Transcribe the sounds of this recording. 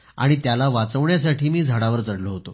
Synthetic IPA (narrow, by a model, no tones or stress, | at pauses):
a̰ɽ̃it̪jalaʋat͡səʋɳjas̬aʈiːmiːd͡zʱaɽaʋəɾt͡səɽloɦot̪o